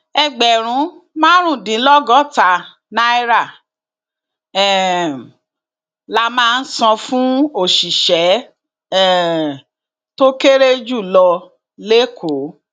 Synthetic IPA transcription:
ɛ˧ɡ͡bɛ˨ɾ̃ũ˨˦mãː˦ɾ̃ũ˦˨dĩ˨˦lɔ˦ɡɔ˦˨ta˨ | nã˦i˦ɾa˦˨ | ɛ˨ | la˦mãː˦˧n̩˦sɔ̃˧fũ˦o˦˨ʃi˨ʃɛ˨˦ | ɛ˨ | to˦ke˦ɾe˦d͡ʒu˦˨lɔ˧ | le˦kʰo˨˦

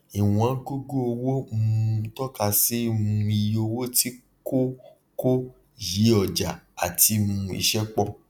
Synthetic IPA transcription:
i˨w̃ɔ̃˨˦ɡo˦ɡo˦o˧wo˦m̩˦˧tɔ˦ka˧se˦ũ˧˦i˧jo˧wo˦ti˦ | ko˦ | ko˦ | je˨˦ɔ˨d͡ʒa˨a˨ti˧mũ˧˦ḭ˨ʃɛ˦k͡pɔ˦˨

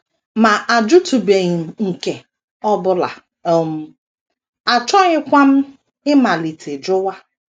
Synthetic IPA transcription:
ma˨ʔa˨d͡ʒʊ˦tu˨be˨ɲi˨m̩˨ŋ̩˨ke˨ | ɔ˦bʊ˦la̰˨ | o˨m̩˨ | a˨t͡ʃɔ˦ɲɪ˦kʷa˦m̩˦ | ɪ˦ma˨li˨tʰe˨d͡ʒʊ˦wa˦

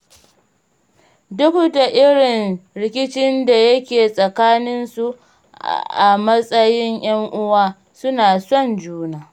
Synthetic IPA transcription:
dʊ˦ku˦da˨ʔɪ˦ɽɪ˨nɽɪ˦kʲɪ˦t͡ʃɪ˦nda˨jɐ˦kʲeː˨sʼɐ˨kaː˦nɪ˦nsu˨ | ʔa˨mɐ˦sʼɐ˦jɪ˦ŋj̰ɐ˦ŋʔʊ˦waː˦ | sʊ˦naː˨sɔ˦˨nd͡ʒuː˦naː˨

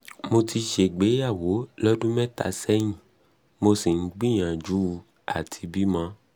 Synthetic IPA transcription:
mo˧ti˧ʃe˨ɡ͡be˨˦ja˦˨wo˨˦lɔ˦dũ˦mɛ̃˦ta̰˨sɛ˦j̃ĩ˨ | mo˧si˨n̩˦ɡ͡bĩ˦˨j̃ã˨d͡ʒu˨˦˧ | a˨tʰi˧bi˦mã˦

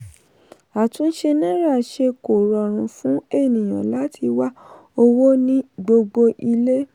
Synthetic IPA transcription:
a˨tũ˨˦n̩˦ʃe˧nã˦ɾa˦˨ʃe˧ko˨ɾɔ˨ɾ̃ũ˨fũ˨˦e˦˨nĩ˨j̃ã̰˨la˨˦tʰi˧wa˦ | o˧wo˦nĩ˦ɡ͡bo˧ɡ͡bo˧ʔi˧le˦

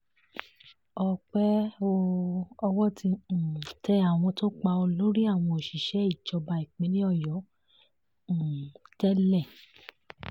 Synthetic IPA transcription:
ɔ˧k͡pɛ˦o˧ɔ˧wɔ˦tĩ˧˨tɛ˦a˦˨w̃ɔ̃˧to˦k͡pa˧o˧lo˦ɾi˦a˦˨w̃ɔ̃˧o˨ʃi˨ʃɛ˨˦i˦˨t͡ʃɔ˨˧ba˧i˨k͡pẽ˨˦nĩ˦ɔ˦˨jɔ˨˦˨ | tɛ˦lɛ˦˨

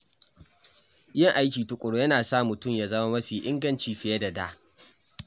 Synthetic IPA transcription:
jɪ˦ŋʔa˦jkʲiː˨tʊ˨kʷʼʊ˨ɽo˦jɐ˦naː˨saː˦mʊ˨tʊ˦˨mjaː˨zɐ˦ma˦mɐ˦ɸiː˨ʔɪ˦ŋɡɐ˦nt͡ʃiː˨ɸɪ˨je˦dɐ˨da̰ː˦

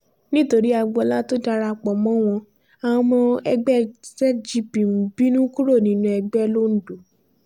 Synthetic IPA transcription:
nĩ˦to˧ɾi˦a˧ɡ͡bɔ˧˦la˦to˦da˧ɾa˧k͡pɔ˨mɔ̃˨˦w̃ɔ̃˧ | a˨wɔ̃˧mɔ̃˧ɛ˧ɡ͡bɛ˦sɛ˦d͡ʒi˦pi˨m̩˨bi˦nũ˦ku˦ɾo˦˨nĩ˦nũ˧˦ɛ˧ɡ͡bɛ˦lo˦n̩˦do˨˦

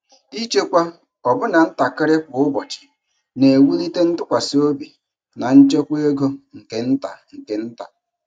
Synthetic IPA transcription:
i˦t͡ʃe˦kʷa˦ | ɔ˨bʊ˦na˨n̩˦ta˨kɪ˦ɾɪ˦k͡pʊ˨ʊ˦bɔ˨t͡ʃɪ̥˨ | ne˨wu˦li˦te˦n̩˦tʊ˦kʷa˨si˦o˦bi˨ | na˨n̩˦t͡ʃe˦kʷe˦ɡo˦ŋ̩˨ke˨n̩˦ta̰˨ŋ̩˨ke˨˦n̩˦ta˨

